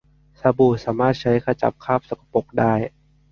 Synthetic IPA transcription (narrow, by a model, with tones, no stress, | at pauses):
sa˧buː˨˩saː˩˦maː˥˩t̪̚t͡ɕʰa˦˥jkʰa˧t͡ɕa̰˨˩p̚kʰaː˥˩p̚sa˨˧˩kḁ˧po˨˩k̚daː˥˩j